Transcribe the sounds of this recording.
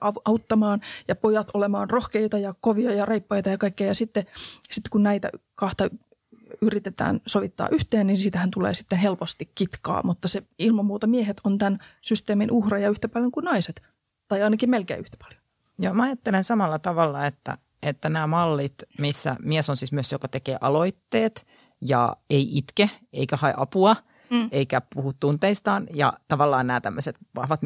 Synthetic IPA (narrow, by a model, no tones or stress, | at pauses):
ʔɑʔɑut̪ːɑmɑːnjɑpojɑt̪olemɑːnrohkeit̪ɑjɑkoʋiɑjɑreipːɑit̪ɑjɑkɑikːejɑjɑsit̪ːesit̪ːe̥kunnæit̪æ̰kɑht̪ɑ | yrit̪et̪æ̰ːnsoʋit̪ːɑ̰ːʔyht̪eːnninsit̪æhænt̪ulḛːsi̥t̪ːenhelpost̪ikkit̪kɑ̰ːmut̪ːɑseilmɑmːuːt̪ɑmiehet̪ont̪ænsyst̪eːminʔuhrɑjɑyht̪æpɑljoŋkunɑiset̪ | t̪ɑiɑinɑkimmelkḛːyht̪æ̥pɑ̥ljo̥ | jɑmɑɑjɑt̪ːelensɑmɑlːɑt̪ɑʋɑlːɑet̪ːæ̰ | et̪ːænæːmɑlːit̪misːæ̰miesonsiːsmyøsjokɑt̪ekḛːʔɑloit̪ːeːt̪ | jɑ̰eiʔit̪keeikæhɑḛʔɑpuɑ | eikæpuhut̪t̪ːunt̪eist̪ɑːnjɑ̰t̪ɑʋɑlːɑːnnæːt̪æmːøset̪ʋɑhʋɑt̪